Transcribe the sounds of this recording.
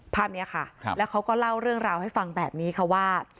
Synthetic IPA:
pʰaː˥˩p̚ni˦˥ɐkʰa˥˩lɛː˦˥wkʰa˦˥wkɔː˥˩la˥˩wɾɯ˥˩əŋɾaː˧wha˥˩jfa˧ŋbɛː˨˩p̚niː˦˥kʰa˦˥waː˥˩

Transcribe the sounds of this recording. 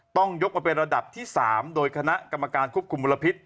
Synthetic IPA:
t̪ɔ˥˩ŋjo˦˥k̚maː˧pe˧nɾa˧da˨˩p̚t̪ʰiː˥˩saː˩˦mdoː˧jkʰa˧na˦˥ʔka˧mːa˧kaː˧nkʰu˦˥p̚kʰu˧mːu˧lːa˧pʰi˦˥t̪̚

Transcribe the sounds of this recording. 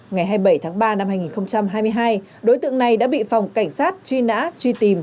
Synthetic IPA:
ŋa˨˩jɦaː˧jɓə˧˩jt̪ʰaː˨˦ŋɓaː˧na˧mhaː˧jŋi˨˩nxə˧wŋ͡mt͡ɕa˧mɦaː˧jmɨ˧əjɦaː˧j | ɗo˨˦jt̪ɨ̰˧˨əŋna˨˩jɗa̰ː˧˥ɓḭ˧˨fa˨˩wŋ͡mka˧˩jŋ̟saː˦˥t̚t͡ɕwi˧na̰ː˧˥t͡ɕwi˧t̪i˨˩m

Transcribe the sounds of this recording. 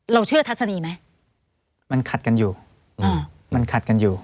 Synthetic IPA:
ɾa˧wt͡ɕʰɯ˥˩ɐt̪ʰa˦˥t̪̚sa˧niː˧ma˦˥j | ma˧nkʰa˨˩t̪̚ka˧njuː˨˩ | ʔaː˧˩ | ma˧nkʰa˨˩t̪̚ka˧njuː˨˩

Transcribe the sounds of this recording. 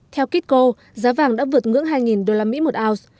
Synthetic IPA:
t̪ʰɛ˧wki˦˥t̚ko˧ | zaː˨˦vaː˨˩ŋɗa̰ː˧˥vɨ˨˩ət̚ŋɨ̰˧˥əŋɦaː˧jŋi˨˩nɗo˧laː˧mḭ˧˥mo˨˩t̚ʔaː˧ws

